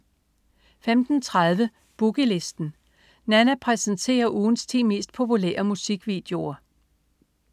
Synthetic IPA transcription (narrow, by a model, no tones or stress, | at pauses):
femd̥n̩t͡sʰʁaðˠʋə | b̥uɡ̥ile̝sd̥n̩ | nænæpʰʁɛsənt͡sʰe̝̰ːɐʔuːn̩st͡sʰḭːme̝̰ːsd̥̚pʰo̝pulḛːɐmusiɡ̥ʋḭːd̥e̝o̝ɐ